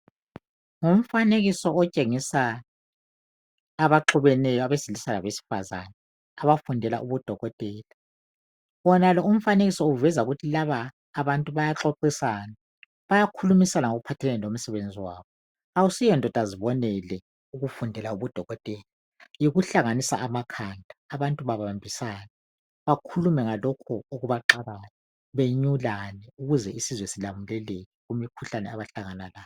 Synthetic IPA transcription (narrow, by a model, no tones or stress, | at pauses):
ŋum̩faneɣisɔɔt͡ʃʼeŋisa | βaǁʰuβɛnɛjɔaβesilisalaβesi̥fa̰za̰nɛ | aβafundʱɛla̰ʔuβud̥ʱɔɣɔtʼɛːla | βɔnalɔum̩faneɣisɔuvɛzauɣutʰilaβaː | βantʼuβajaǁoǁisaːna | βajakʰulumisanaŋoɣupʰatʰɛlɛlom̩sɛβend͡zʱiwa̰ːβɔ | awusijɔndʱɔtʼaziβɔnɛlɛ | uɣufundʱɛlauβud̥ʱɔɣɔtʼeːli | jiɣuɬaŋanisa̰ːmakʰandʱaːβantʼuβaβaambʱisaːna | βakʰulumɛŋalɔkʰɔoɣuβaǁaβanɛ | βeɲulanɛuɣuzɛisizwɛsilamulɛleɣɛɣumikʰuɬanɛaβaɬaŋanalaːj